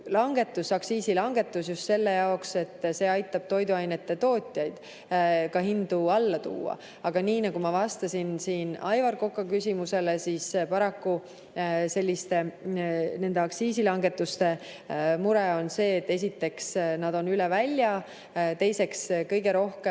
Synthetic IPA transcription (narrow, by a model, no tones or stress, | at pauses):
lɑŋɡ̥e̞t̪ːˑusɑksiːsilɑŋɡ̥e̞t̪ːˑusjust̪se̞lːejɑokse̞t̪ːˑse̞ːɑjt̪ːˑɑb̥̚t̪o̞jd̪uɑjnet̪ːe̞t̪o̞ːt̪ʲˑjɑjd̪̥ | kɑɦind̪uɑlːɑt̪ṵːɑ̰ | ɑɡ̥ɑniːnɑɡ̥umɑvɑst̪ɑsʲinsiːnɑjvɑrko̞kːˑɑkysʲimuse̞le̞sispɑɾɑkːu | se̞lʲːist̪e̞ | ne̞nd̪e̞ɑksiːsilɑŋɡe̞t̪ːˑust̪e̞ | muɾeo̞nse̞ːt̪ːe̞s̬ʲit̪ːˑe̞ksnɑd̪̥o̞nylɛvælʲːjɑ | t̪e̞jse̞kskɤjɡ̥e̞ɾo̞hke